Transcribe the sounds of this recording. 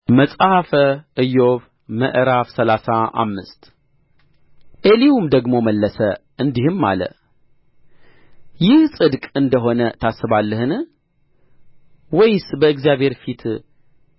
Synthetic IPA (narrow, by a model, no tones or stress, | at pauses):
məsʼahafəʔɨjoβ | mə̰ʔɾafsəlasaa̰mːɨst̪ | ʔeliwumd̪əɡmo̞məlːəsəʔɨnd̪ihɨmːa̰lə̰ | jɪhsʼɨd̪kʼɨnd̪əɦo̞nət̪ʰasːɨβalːɨhɨn | wɔjsbəɨɡzijaβhe̞ɾfit̪ʰ